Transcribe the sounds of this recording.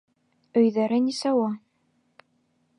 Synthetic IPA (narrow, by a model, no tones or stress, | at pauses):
ɵ̆jðæɾɘnisæwɑ